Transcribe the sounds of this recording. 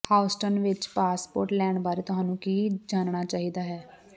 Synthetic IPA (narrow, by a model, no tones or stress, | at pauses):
haːʊsʈənʋɪt͡ʃpaːspoːɾʈlɛːɳbaːɾit̪ʊɦaːnũːkiːd͡ʒaːnɳaːt͡ʃaːɦiːd̪aːɦɛː